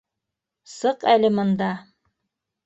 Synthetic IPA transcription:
sɤqælɘmɤ̆nd̪ɑ

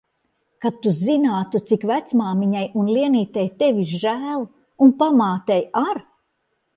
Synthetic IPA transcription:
kat̪ːuzinaːt̪ut̪sikvæt̪smaːmiɲajunliɛniːt̪ɛjt̪evʲiɾʒæːlˠ | unpamaːt̪ɛjaɾ

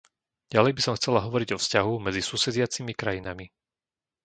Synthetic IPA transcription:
ɟ̥alɛjbisɔmxt͡sɛlaɦɔʋɔɾiɟɔfscaɦumɛd͡zisuːsɛd͡zɪat͡simikɾajinami

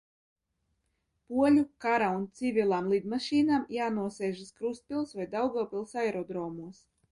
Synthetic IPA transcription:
puɔlʲukaɾaunt̪sivʲilˠaːmlˠid̪maʃiːnaːmjaːnuɔsɛːʒɨskɾust̪̚pʲilˠsvajd̪awɡɔːpʲilˠsajɾɔd̪ɾɔːmuɔs

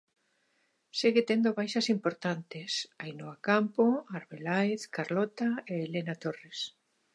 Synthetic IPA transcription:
seɣet̪end̪oβajʃɐsimpoɾt̪ant̪ɪsajnoakampoaɾβelaeθkaɾlɔt̪aeːlenat̪ores

